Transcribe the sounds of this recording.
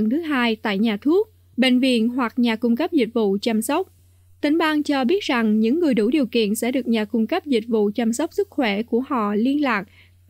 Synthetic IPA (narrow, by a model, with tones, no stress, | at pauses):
nt̪ʰɨ˨˦ɦaː˧jt̪a̰ː˧˨jɲaː˨˩t̪ʰu˦˥ək̚ | ɓḛ˧˨ŋ̟vḭ˧˨ənɦwa˨˩k̚ɲaː˨˩kʊ˧ŋ͡mkə˦˥p̚zi˨˩t̚vṵ˧˨t͡ɕa˧msə˦˥wk͡p̚ | t̪ï˨˦ŋ̟ɓaː˧ŋt͡ɕɔ˧ɓi˦˥ət̚za˨˩ŋɲɨ̰˧˥ŋːɨ˨˩əjɗu˧˩ɗi˨˩əwkḭ˧˨ənsɛ̰˧˥ɗɨ˨˩ək̚ɲaː˨˩kʊ˧ŋ͡mkə˦˥p̚zï˨˩t̟̚vṵ˧˨t͡ɕa˧msə˦˥wk͡p̚sɨ˦˥k̚xwɛ˧˩ku˧˩əhɔ̰˧˨li˧ənlaː˨˩k̚